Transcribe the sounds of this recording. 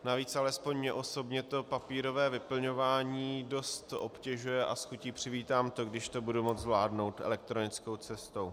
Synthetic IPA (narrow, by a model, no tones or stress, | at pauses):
naviːt͡salɛspo̞ɲɲɛʔo̞so̞bɲɛt̪o̞papiːɾo̞vɛːvɪpl̩ɲo̞vaːɲiːdo̞st̪ʔo̞pcɛʒujɛʔa̰sxuciːpr̝̥ɪviːt̪aːmt̪o̞ɡdɪʃt̪o̞budumod͡zzvlaːdno̞wt̪ʔɛ̰lɛk̚t̪ɾo̞nɪt͡sko̞wt͡sɛst̪o̞w